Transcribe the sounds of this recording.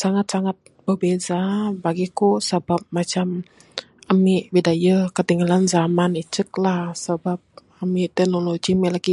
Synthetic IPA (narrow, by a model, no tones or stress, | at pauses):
saŋat̪̚saŋat̪̚b̥ərbezabaɡikosəbap̚mat͡ʃam | amiʔwidajəkət̪iŋɡalanzamanit͡ʃək̚lahsəbap̚ | amiʔt̪ɛk̚noloɡimɛlaɡi